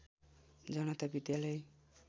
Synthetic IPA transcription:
d͡ʒɔnot̪abid̪jalɔj

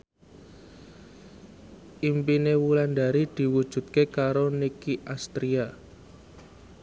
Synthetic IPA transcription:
ʔimpinewuland̪aɾid̪̥i̤wud̥ʒ̥ṳt̪̚kekaɾonikiʔast̪ɾia

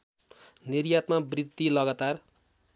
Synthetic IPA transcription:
nirjat̪mabrid̪ːilʌɡat̪ar

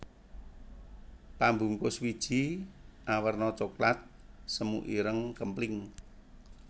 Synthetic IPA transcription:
pambuŋkʊswid̥ʒ̥i̤ʔawərnɔt͡ʃoklat̪̚ | səmṵʔiɾəŋkəmplɪŋ

